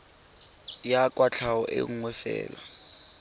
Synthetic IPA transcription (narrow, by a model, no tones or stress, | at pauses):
jakʼwat͡ɬʰawɔʔɪŋwɛfɛ̰ːla